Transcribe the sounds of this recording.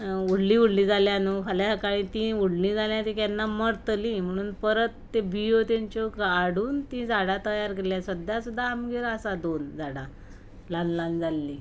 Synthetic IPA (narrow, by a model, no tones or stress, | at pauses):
uɽliːuɽlĩːd͡zaljãnukʰaljakaɽ̃ĩt̪ĩuɽlĩd͡zaljãt̪ikjanːaməɽt̪lĩm̤əɽ̃uːnpəɾət̪ːebijot̪jaɲt͡ɕokaɽ̤uːnt̪ĩd͡zaɽat̪əjaɾkeɾljasəd̪ʱjasud̪ʱːaːmɡeɾəsad̪ond͡zaɽa | lanland͡zalːi